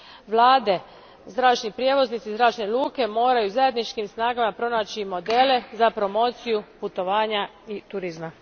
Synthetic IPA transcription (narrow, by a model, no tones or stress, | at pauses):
ʋlˠaːd̪e̞ | zd̪ɾaːʃnipɾjeʋo̞znit̪sizd̪ɾaːt͡ʃnelˠuːke̞mo̞ːɾajuzaje̞d̪nit͡ʃkimsnaːɡamapɾo̞naːt͡ɕimo̞d̪e̞ːle̞zapɾo̞mo̞t̪sijuput̪o̞ʋaːɲa | it̪uɾizma